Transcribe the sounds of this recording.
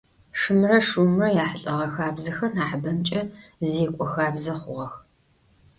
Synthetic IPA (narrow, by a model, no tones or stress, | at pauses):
ʂɨmɨrɐʂuːmɨrɐjaːħɬʼɐʁɐxaːbzɐxɐrnaːħbɐmt͡ʃʼɐziːkʷʼɔxaːbzɐχʷʊʁɐx